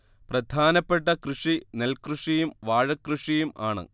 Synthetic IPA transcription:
prɐd̪ʱaːnɐpːe̞ʈːɐkruʂine̞lkruʂijumʋaːɻɐkruʂijuma̰ːɳɨ̰

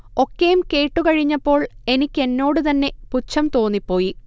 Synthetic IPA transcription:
o̞kːejumke̞ːʈːukɐɻiɲːɐpːo̞ːɭe̞nikʲːe̞nːo̞ːɽɨt̪ɐnːe̞put͡ɕʰːɐmt̪o̞ːnːipːo̞ːji

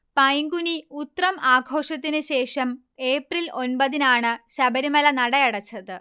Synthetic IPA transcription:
pɐjŋɡuniut̪rɐmʔaːɡʱo̞ːʂɐt̪̬ːinɨɕe̞ːʂɐm | eːprilʔo̞nbɐðinaːɳɨɕɐbɐɾumɐlɐnɐɽɐjɐɽɐt͡ɕːɐðɨ

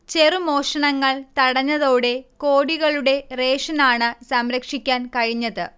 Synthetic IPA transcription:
t͡ɕe̞rumo̞ːʂɐɳɐŋːɐɭt̪ɐɽɐɲːɐðo̞ːɽe̞ko̞ːɽiɣɐɭuɽe̞re̞ːʂɐnaːɳɨsɐmɾɐkʂikʲːaːnkɐɻiɲːɐðɨ̰

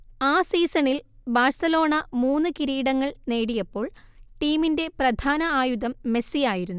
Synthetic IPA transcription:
aːsiːsɐɳilbaːrsɐlo̞ːɳɐmuːnːɨkiɾiːɽɐŋːɐɭne̞ːɽijɐpːo̞ːɭ | ʈiːminde̞prɐd̪ʱaːnɐaːjuðɐmːe̞sijaːjiɾunːu

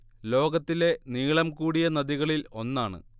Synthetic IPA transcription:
lo̞ːɡɐt̪ːile̞niːɭɐmkuːɽijɐnɐðiɣɐɭilo̞nːaːɳɨ̰

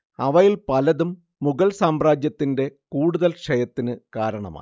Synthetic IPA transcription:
ɐʋɐjilpɐlɐðumː | uɣɐɭsaːmraːd͡ʑjɐt̪ːinde̞kuːɽuðɐlkʂɐjɐt̪ːinɨkaːɾɐɳɐ̰ma̰ː

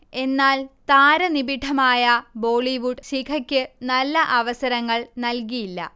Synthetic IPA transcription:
e̞nːaːlt̪aːɾɐnibiʈʰːɐmaːjɐbo̞ːɭiʋuɖɕikʰɐkʲːɨnɐlːɐʔɐʋɐsɐɾɐŋːɐɭnɐlkijilːɐ̰

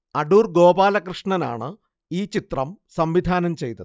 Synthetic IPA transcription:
ɐɖuːrɡo̞ːbaːlɐkrɨʂɳɐna̰ːɳɨ | iːt͡ɕit̪rɐmsɐmʋid̪ʱaːnɐmt͡ɕe̞jt̪ːɐðɨ

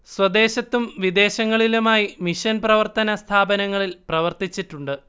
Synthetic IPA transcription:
swɐd̪e̞ːɕɐt̪ːumʋid̪e̞ːɕɐŋːɐɭilumaːjimiɕɐnprɐʋɐrt̪ɐnɐst̪ʰaːbɐnɐŋːɐɭilprɐʋɐrt̪it͡ɕːiʈːuɳɖɨ

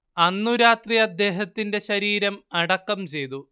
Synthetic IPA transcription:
ɐnːuɾaːt̪rijɐd̪ːe̞ːɦɐt̪ːinde̞ɕɐɾiːɾɐmɐɽɐkːɐmt͡ɕe̞jt̪u

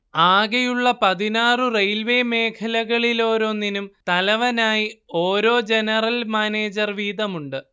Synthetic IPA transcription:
aːɣɐjuɭːɐpɐðinaːrɨrejlʋe̞ːme̞ːkʰɐlɐɣɐɭilo̞ːɾo̞ːninumt̪ɐlɐʋɐnaːjio̞ːɾo̞ːd͡ʑe̞nɐrɐlmaːne̞ːd͡ʑɐrʋiːðɐmuɳɖɨ

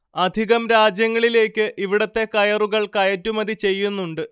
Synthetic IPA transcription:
ɐd̪ʱiɣɐmɾaːd͡ʑjɐŋːɐɭile̞ːkʲːɨʔiʋiɽɐt̪ːe̞kɐjɐruɣɐɭkɐjɐtːumɐðit͡ɕe̞jːunːuɳɖɨ

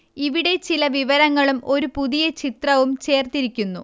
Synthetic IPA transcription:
iʋiɽe̞t͡ɕilɐʋiʋɐɾɐŋːɐɭumo̞ɾupuðijɐt͡ɕit̪rɐʋumt͡ɕe̞ːrt̪iɾikʲːunːu

